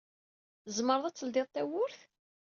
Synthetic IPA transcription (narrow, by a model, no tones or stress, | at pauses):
əzməɾˤðˤæt͡sːəld̪eðˤt̪æwʊɾθ